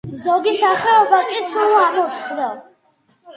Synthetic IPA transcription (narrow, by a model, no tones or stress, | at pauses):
zɔɡisaχɛɔbakʼisɾulˠasʰɔpsd̪ɛl